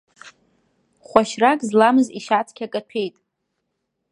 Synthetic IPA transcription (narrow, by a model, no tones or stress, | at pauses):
χʷaʃrakʼzlamɨziʃat͡sʰkʲʰakʼatʰe̞jtʼ